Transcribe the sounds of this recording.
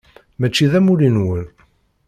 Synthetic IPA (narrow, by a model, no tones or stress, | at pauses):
mæt͡ʃːiðæmuɾinwəl